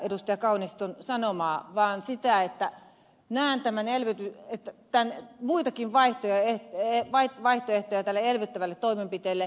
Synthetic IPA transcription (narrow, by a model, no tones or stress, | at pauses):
edust̪ɑjɑkɑunist̪onsɑnomɑːʋɑːnsit̪æet̪ːæ | næˑːnt̪æmænelʋet̪yet̪ːæt̪ænmuit̪ɑkinʋɑiht̪ojɑeeʋɑiʋɑiht̪oeht̪ojæt̪ælːeelʋøt̪ːæʋælːet̪t̪oimempit̪eːlːe